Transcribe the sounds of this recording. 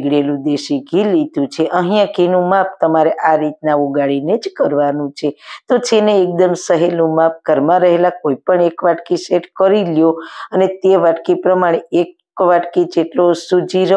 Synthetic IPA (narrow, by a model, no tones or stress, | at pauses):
ɡɽelũd̪eʃiɡʱilid̪ũt͡ʃʰeʔə̃ɦijãɡʱinũmap̚ʰt̪əmaɾeʔaɾit̪̚nauɡaɭined͡ʒkəɾʋanũt͡ʃʰet̪ot͡ʃʰeneːk̚d̪əmsəɦelũmap̚ʰkəɾmãɾəɦelakoipəɳekʋaʈkiseʈkəɾiljoənet̪eʋaʈkipɾəmaɽ̃eek | ʋaʈkid͡ʒeʈlosud͡ʒiɾ